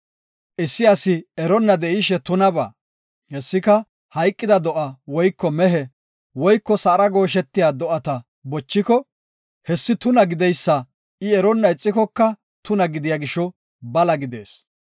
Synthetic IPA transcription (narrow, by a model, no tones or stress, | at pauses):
ʔɪsːɪɐsɪɛɾɔnːɐd̪ɛʔɪʃɛt̪ʊnɐbɐ̰ː | hɛsːɪkɐ | hɐjkʼːɪd̪ɐd̪ɔʔɐwɔjkːɔmɛɦɛ | wɔjkːɔsɐːɾɐɡo̞ːʃ̬ɛt̪ːɪjaːd̪ɔʔɐt̪ɐ | bɔt͡ʃːɪkɔ | hɛsːɪt̪ʊnɐɡɪd̪ɛjsːɐ | ɪɛɾɔnːɐɪt͡sʼːɪkɔkːɐ | t̪ʊnɐɡɪd̪ɪjaɡɪʃɔ | bɐlɐɡɪd̪e̞̰ːs